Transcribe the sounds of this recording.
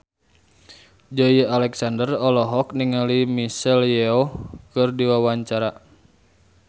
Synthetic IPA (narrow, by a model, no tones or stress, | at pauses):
d͡ʒɔialɛksandərɔlɔɦɔk̚niŋalimisɛljɛɔkɨrdiwawaɲt͡ʃaɾa